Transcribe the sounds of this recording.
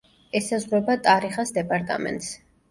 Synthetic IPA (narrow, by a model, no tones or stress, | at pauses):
ɛsazʁɾɔbat̪ʼaɾiχasd̪ɛpʼaɾt̪ʼa̰mɛ̰nt̪ʼs